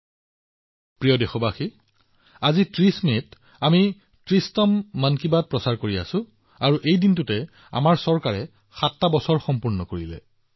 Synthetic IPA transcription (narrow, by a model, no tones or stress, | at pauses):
pɹijɔdexɔbaxi | azitɹismet | ami | tɹistɔmːankibad̚pɹɔsaɹkoɹia̰sʊ̃ | aɹuʔejdintʊtɛ | a̰maɹsɔɹkaɹɛ | xatːabɔsɔɹxɔmpuɹnɔkoɹilɛ̰